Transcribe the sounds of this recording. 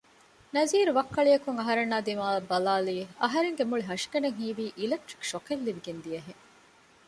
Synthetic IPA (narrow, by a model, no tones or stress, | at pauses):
nɐziːɾuʋɐkːɐɭijɐkuŋɐɦɐɾenːaːd̪imaːɐbɐlaːliːɐɦɐɾeŋɡemuɭiɦɐʃi̥kɐneŋɦiːʋiːʔilek̚ʈɾi̥kʃokelːiʋiɡend̪iɐɦeŋ